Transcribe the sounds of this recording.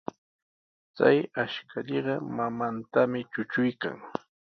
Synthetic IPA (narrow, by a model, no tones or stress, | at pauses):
t͡sa̰jaʃkʰaʎeɢɑmamant̪amɪt͡ʃʊt͡ʃʊjka̰ŋ